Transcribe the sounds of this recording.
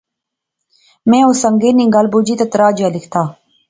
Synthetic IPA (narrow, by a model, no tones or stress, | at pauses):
mẽːoːsəŋɡeːnĩŋɡaːlbuːd͡ʑit̪ɐt̪ɾaːd͡ʒaːlikʰt̪ʰaː